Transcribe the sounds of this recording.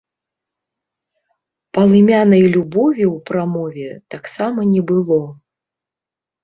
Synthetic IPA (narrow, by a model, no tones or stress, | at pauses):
pɐlˠɨmʲanɐjlʲubɔvʲiwpɾamɔvʲɛt̪aksamɐnʲɛbɨlˠɔ